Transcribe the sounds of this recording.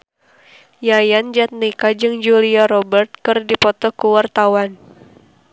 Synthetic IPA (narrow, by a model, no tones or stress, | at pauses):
jajand͡ʒat̪̚nikad͡ʒɨŋd͡ʒuliaɾɔbɛrt̪̚kɨrdipɔt̪ɔkəwart̪awan